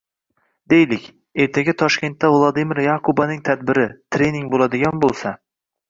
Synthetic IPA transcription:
d̪e̞jlɪkʲ | e̞ɾt̪ʰaɡʲat̪ʰɒʃkʲe̞nt̪ːavlˠɒd̪imɪɾjakʰʊbanɪŋt̪ʰad̪bɪɾɪt̪ʰɾe̞nɪŋbolad̪ɪɡʲanbolˠsa

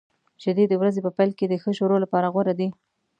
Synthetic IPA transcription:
t͡ʃɪd̪ed̪əwɾazepəpajlked̪əxəʃoɾolapɑɾaɣwaɾad̪i

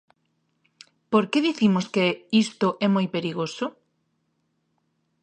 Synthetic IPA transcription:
poɾkeðiθimʊskeist̪ʊʔɛmojpeɾiɣosʊ

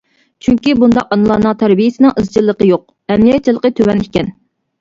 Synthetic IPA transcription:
t͡ʃʰyŋkʲibund̪ɑqɑnɨlˠɑːnɨŋt̪ʰæɾbijɪsɨɪnɨŋʔɨzd͡ʒilˠːəqəjoq̚ | ɛmlijɛt̪̚t͡ʃʰːilˠəqət̪ʰøwɛnikʲɛn

